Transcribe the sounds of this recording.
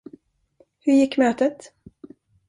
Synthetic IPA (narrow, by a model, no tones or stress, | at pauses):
hɵɾjɪkːmøːt̪ət̪